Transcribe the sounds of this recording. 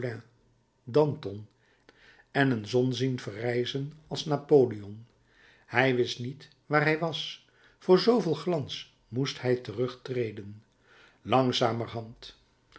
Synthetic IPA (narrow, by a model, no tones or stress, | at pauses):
ɛ̃ | dɑntɔn | ɛnənzɔnzinvərɛjzənɑlˠsnaːpoːliɔn | hɛjʋɪstnit | ʋaːɹɦɛjʋɑs | fʊːɹzowvɪlˠχlɑns | musthɛjtərɵχtrejdən | lɑŋzaːmərɦɑnt